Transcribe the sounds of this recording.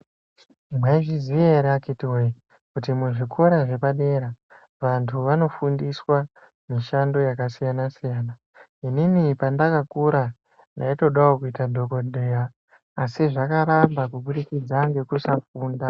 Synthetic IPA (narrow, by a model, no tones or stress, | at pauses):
mwaʐizieɾeakitiwe | kutimuʐikʰoɾaʐe̞paɗe̞ɾa | ʋantʰuʋano̞fundiswa | miʃando̞jakasijanasijaːna | ininipandakakuɾa | ndaito̞ɗawokuitadʱo̞ko̞ɗʱejaː | siʐakaɾambakuɓuɾikid͡zaŋɡe̞kusafuːnda